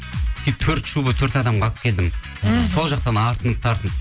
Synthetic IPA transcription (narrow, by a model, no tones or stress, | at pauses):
t̪ʰijp̚t̪ʰɵɾt̪ʃubət̪ʰɵɾt̪ɑd̪ɑmʁɑlˠʰə̥pkʲʰe̞ld̪ɪm | so̞lˠʒɑqt̪ɑnɑɾt̪ʰənəp̚t̪ʰɑɾt̪ənəp